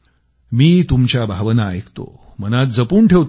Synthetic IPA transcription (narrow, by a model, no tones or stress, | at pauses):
miːt̪umt͡ɕjabʱaʋənaekt̪o̰ | m̤ənat̪̚d͡zəpuːɳʈʰeʋt̪